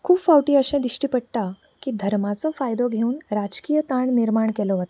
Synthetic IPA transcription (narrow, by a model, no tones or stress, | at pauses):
kʰuːpfawʈiːəɕɛ̃d̪iɕʈiːpəɽt̪a | kiːd̪ʱəɾmat͡sɔfajd̪ɔɡʱeuːnɾad͡ʑkijət̪aɳniɾmaɳkɛlɔɦət̪ḁ